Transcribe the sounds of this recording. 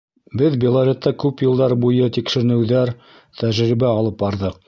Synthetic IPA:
bɘðbʲelˠaɾʲet̪ːɑkʉpjɤ̆lˠd̪ɑɾbujɤt̪ikʃɘ̆ɾ̆nɘ̆wðæɾ | t̪æʒɾibæɑlˠɤp̚bɑɾðɤq̚

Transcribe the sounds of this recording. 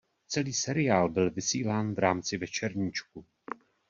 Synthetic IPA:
t͡sɛliːsɛɾɪjaːlbɪlvɪsiːlaːnvɾaːmt͡sɪvɛt͡ʃɛɾɲɪt͡ʃku

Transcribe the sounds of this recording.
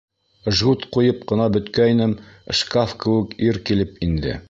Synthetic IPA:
ʒʁut̪qujɤp̚qɤ̆nɑbɵ̆t̪kæjnɘmʃkafkɘ̆wɘ̆kiɾkilɘpind̪ɘ̰

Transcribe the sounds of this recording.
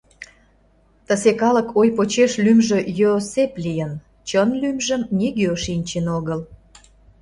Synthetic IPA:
t̪əsekɑləkʰojpot͡ɕeʃlymʒø̆joseplijən | t͡ɕənlymʒəmnʲiɡeoʃinʲt͡ɕenoɣəl

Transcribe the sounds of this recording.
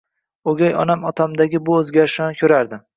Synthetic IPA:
oɡʲajɒnamɒt̪ʰamd̪aɡʲɪbʊɵzɡʲaɾɪʃanɪkʲʰɵɾaɾd̪ɪ

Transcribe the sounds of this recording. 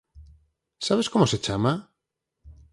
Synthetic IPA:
saβeskomoset͡ʃama

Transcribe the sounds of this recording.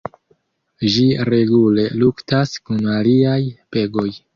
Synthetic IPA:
ʒiɾe̞ɡule̞luktaskunaliajpe̞ɡo̞j

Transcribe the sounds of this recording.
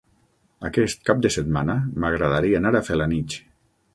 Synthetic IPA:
akɛst̪̚kap̚d̪əset̪manəmaɣɾaðaɾianaɾafelanit͡ʃ

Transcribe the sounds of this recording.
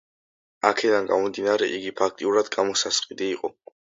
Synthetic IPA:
akʰɛd̪anɡamɔmd̪inaɾɛʔiɡipʰakʰt̪ʼiuɾad̪ɡamɔsasqʼid̪iːqʼɔ

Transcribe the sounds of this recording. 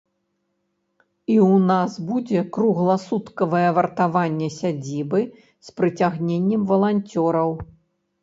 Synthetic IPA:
iwnasbud͡zʲɛkɾuɣlˠɐsut̪kɐvɐjɛvɐrt̪avanʲːɛsʲad͡zʲibɨ | spɾɨt͡sʲaɣnʲenʲːɛmvɐlˠanʲt͡sʲɔɾɐw

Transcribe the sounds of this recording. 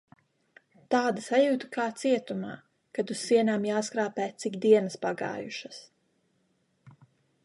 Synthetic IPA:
t̪aːd̪asajuːt̪ukaːt̪siɛt̪uma̰ː | kad̪usːiɛnaːmjaːskɾaːpɛːt̪sikd̪iɛnɨspaɡa̰ːjuʃɐs

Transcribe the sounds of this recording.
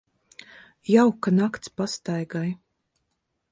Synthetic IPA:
jawkanakt̪spast̪ajɡaj

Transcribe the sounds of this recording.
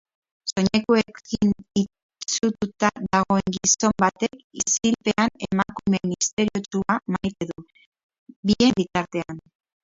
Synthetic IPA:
so̞ɲe̞koe̞kini | t͡sut̪ut̪aðaɣo̞e̞ŋɡiso̞mbat̪e̞kisilpe̞anemakume̞nist̪e̞ɾiot͡ʃuamajt̪e̞ðu | bie̞bit̪aɾt̪e̞an

